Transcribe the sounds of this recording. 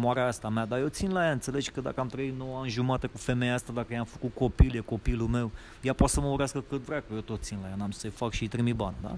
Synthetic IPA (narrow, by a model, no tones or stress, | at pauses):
moaɾeaast̪amead̪aje̞wt̪sinlajant̪se̞led͡ʒkəd̪a̰kəamt̪ɾəit̪noanʒumat̪ekufe̞mejast̪ad̪akəjamfəkut̪̚ko̞piljeko̞pilume̞w | japat̪səməuɾeaskəkɨt̪vɾeakəjet̪o̞t̪̚sinlajanamsəjfakʃit̪ɾimibanʲd̪a̰